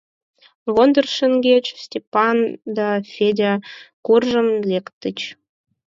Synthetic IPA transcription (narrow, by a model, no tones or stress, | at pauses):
βond̪ərʃə̆ŋɡʲet͡ɕstʲepɑnd̪ɑfʲedʲakurʒə̆mlekt̪ə̆t͡ɕ